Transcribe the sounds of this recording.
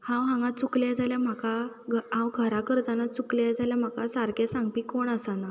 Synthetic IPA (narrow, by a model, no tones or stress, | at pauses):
hãwɦãŋɡãt͡sukljad͡zʱaljam̤akaɡʱɦãwɡʱəɾakəɾt̪anat͡sukljajd͡zʱaljam̤akasaɾkẽsãŋɡ̚pikoɳəsana